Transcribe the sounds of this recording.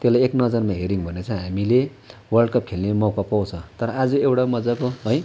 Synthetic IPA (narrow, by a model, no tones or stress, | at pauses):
t̪elajeknʌd͡zʌrmaɦeɾiŋbʱʌnet͡sʰʌ̃ɦamile | wʌrɖkap̚kʰelnemawkapaw̃t͡sʰʌ̃t̪ʌɾʌad͡zuewʈamʌd͡zakoɦʌj